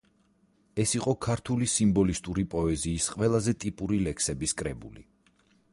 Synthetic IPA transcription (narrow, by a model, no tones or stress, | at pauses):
ɛsiqʼɔkʰaɾt̪ʰulisimbɔlist̪ʼuɾipʼɔɛziːsqʼwɛlˠazɛt̪ʼipʼuɾilɛkʰsɛbiskʼɾɛbuli